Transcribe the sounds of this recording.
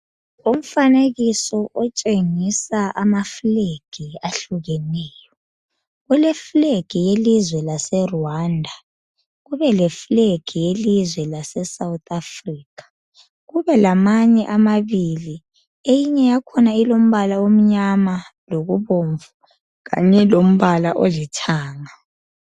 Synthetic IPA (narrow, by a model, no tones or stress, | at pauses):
om̩faneɣisɔʔɔt͡ʃʼeŋisaʔamafleɡ̥ʱiaɬuɣɛnɛːjɔ | ɣulɛfleɡ̥ʱijelizwɛlasɛruwaːndʱa | ɣuβɛlɛfleɡ̥ʱijelizwɛlasɛsawutʰafriːkʰḁ | ɣuβɛlamaɲɛʔamaβili | ejiɲɛjakʰɔnailom̩βalaom̩ɲamaloɣuβoɱvu | ɣa̰ɲɛlom̩βalaʔolitʰaːŋa